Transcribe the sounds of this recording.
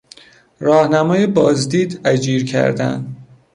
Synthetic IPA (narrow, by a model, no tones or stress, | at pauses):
ɾɒːhnæmɒːjebɒːzd̪iːd̪æd͡ʒiːɾcʰæ̰ɾd̪æ̰nd̪